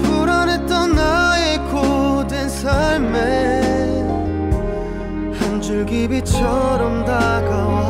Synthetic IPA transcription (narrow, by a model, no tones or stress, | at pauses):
pʰuɾanet͈ʌnːajekʰodensʰaɭme | hand͡ʑuɭɡibit͡ɕʰʌɾʌmdaɡaw